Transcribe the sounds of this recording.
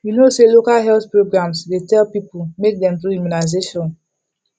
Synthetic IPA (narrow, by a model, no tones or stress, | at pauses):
junoselokalɦɛltpɹoɡɹãmsdetɛlpipumek̚dɛ̃mtujuminaɪzeʃɔ̃n